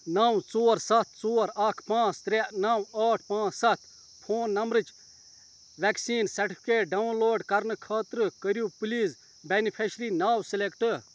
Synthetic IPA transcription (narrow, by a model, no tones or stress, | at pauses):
nɐwt͡soːɾsɐt̪̚ʰt͡soːɾɐkʰpãːt͡st̪ɾenɐwaːʈʰpãːt͡ssɐt̪ʰ | pʰoːnːɐmbɾɨt͡ʃ | ʋeksiːnsɐɾʈipʰkeːʈ̚ɖɐwnloːɖkɐɾnɨkʰaːt̪ɾkəɾjupuliːs | benipʰeʃɾiːnaːwsɪlekʈɨ